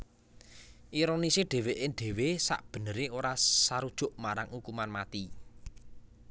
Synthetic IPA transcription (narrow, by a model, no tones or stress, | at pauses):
ʔiɾoniseɖ̥e̤weʔɪŋɖ̥e̤wesa̰ʔb̥ə̤nəɾeoɾasaɾud̥ʒ̥ʊ̤ʔmaɾaŋukumanmat̪i